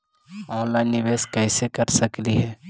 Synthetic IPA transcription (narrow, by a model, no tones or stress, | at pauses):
ɔ̃ːnlaːɪnːɪʋeːskɛːsekɐɾsɐkliɦɛː